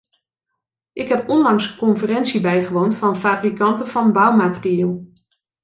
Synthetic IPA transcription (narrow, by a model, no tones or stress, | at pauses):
ʔɪkɦɛpɔnlɑŋskɔnfərɛnsibɛjχəʋowntfɑnfaːbrikɑntəv̥ɑnbɑwmaːtriɪːlˠ